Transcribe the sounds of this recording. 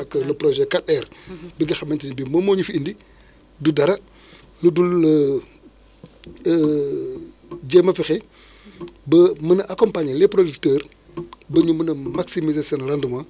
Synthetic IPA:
ɐklɐpɾoʒɛkatɛɾbiɡixɐmentinibimomoːɲufindi | dudɐɾɐ | nudulə | ɟemɐfixe | bɐmənɐʔakompaɲlepɾodiktəːɾ | bɐɲumənɐmaksimizasioːnlanduma

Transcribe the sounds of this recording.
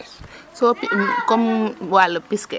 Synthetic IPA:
sɔikɔmwalːɐpiskɛ

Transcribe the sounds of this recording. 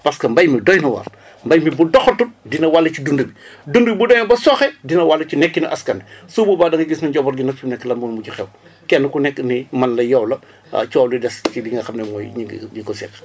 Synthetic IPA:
pɐskɐmbɐjmidɔjnɐwɐ̰r | mbɐjmibudɔxɐtundinɐwalːɐt͡ʃudundubidundubibudɔːjnɐbɐsɔxɛdinɐwalːɐt͡ʃunɛkːiniʔɐskɐndɛsuːbubaːdɐŋɡiɡisnɐɲɟɔbɔɾɡinɐffumnɛkːlɐmbunmut͡ʃixɛ̰w | kɛnːɐkunɛkːnimɐnlɐjɔwlɐ̰ | t͡ʃɔːwlidɛskidiŋɡɐxɐmnɛmɔ̰ːjɲiɡ̰ɲikɔsɛ̰k

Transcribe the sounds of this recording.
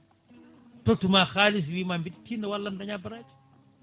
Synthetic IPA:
t̪ot̪umaxaliziwimambit̪i̥t̪inawalːamdaɲabaɾat

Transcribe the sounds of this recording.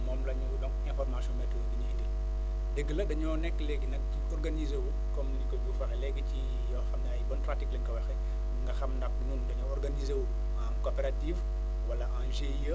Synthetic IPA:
mɔːmlɐɲɐwbɔŋɲɐfɔrmasɔmɛtːuwɐbiɲɐdil | deɡːəlɐdɐɲɔːnɛkːlɛɡːinɐk̚ | ɔrɡɐnizewu | kɔmnikɔɟuːfɐxɛlɛɡəci | jɔːxɐmnajbɔntratiklɐŋkɐwɐxɛ | ŋɡɐxɐmndɐk̚nundɐɲɔːɔrɡɐniːzewu | ãnkopɛɾatif | wɐlɐãːnʒejə

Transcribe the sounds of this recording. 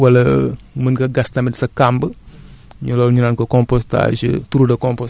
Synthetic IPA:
wɐlɐmənkɐɡɐstɐmdisɐkambəɲulɔlɲunankokɔmpɔsta̰ʃḭtuɾudɐkɔmpɔs

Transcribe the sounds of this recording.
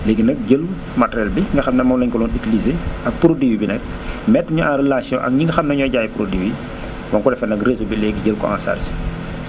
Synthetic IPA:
leːɡinɐk̚ɟəlu | matɾɛlbiŋɡɐxɐmnɐmɐmlɐɲkɔlɔːnikilizeɐk̚pɾodiwibinɛk̚ | mɛtːɐɲuãnrelasjɔ̰̃ʔɐ̰k̚ɲiŋɡɐxɐmnɐɲɔːɟaːjpɾodiwi | wɐŋkɔlɛfɛnɐkrezobilɛːɡiɟəlkɔ̰ã̰nsa̰rs

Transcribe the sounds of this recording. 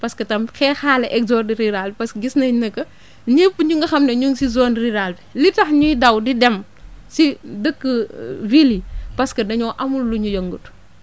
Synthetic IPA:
pɐskɐtɐmxɛːxaːlɐʔɛkzɔrdiɾiɾalpɐskɡisnɐjnɐkːɐ | ɲipːəɲuŋɡɐxɐmnɐɲuŋsizɔːnriɾalbilitɐxɲujdɐwdidɛm | sidəkːəvilipɐskɐdɐɲɔːʔɐmulːuɲujoŋɡut

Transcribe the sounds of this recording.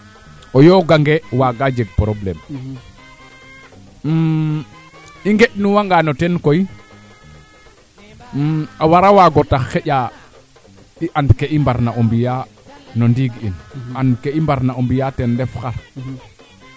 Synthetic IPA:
ojoɡaŋɡewaɡad͡ʒeɡ̚pɾoblɛ̰m | iŋɡeɗnuwaŋɡanotɛnkoj | mawaɾawaɡotaxxeɟa | iʔandkeʔimbaɾnaʔombija | nondiɡinandkeimbaɾnaombijatɛndɛfxaɾ

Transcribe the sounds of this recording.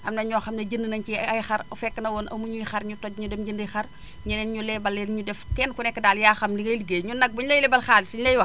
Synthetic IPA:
ʔɐmnɐɲɔːxɐmnɐɟəndənɐɲkiɐjxɐɾfɛkːənɐwɔnʔɐ̰muɲujxɐɾɲutɔc̚ɲudɛmɟəndəjxɐr | ɲunɛːnɲulɛbɐlːɛnɲudɛfkɛnkunɛkːədaːljaːxɐmliɡɐjliɡeɲunɐɡ̚buɲlɐjlɛbɐlxaːdisiɲlɐjwɐ

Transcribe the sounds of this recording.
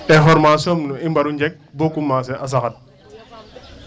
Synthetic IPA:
ɛɦɔɾmasɔmnuimbɐɾuɲd͡ʒɛk̚bokumːaːs̬ɛʔɐs̬ɐxɐt̚

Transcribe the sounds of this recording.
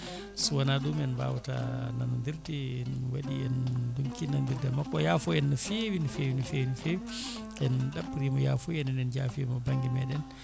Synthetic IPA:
suwanaɗumɛnba̰wata̰nanɔndiɾdɛɛnwaɗijɛnduŋkinandiɾdɛmakːɔjafɔjɛnːɔfewinfewinɔfewinifewi | ʔɛnɗabːuɾimɔjafɔjɛnɛnɛnd͡ʒafiɛmɔbaŋɡimɛɗɛn

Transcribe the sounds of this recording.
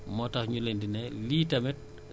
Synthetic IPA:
mɔtahɲulendinɛlitamɛt̚

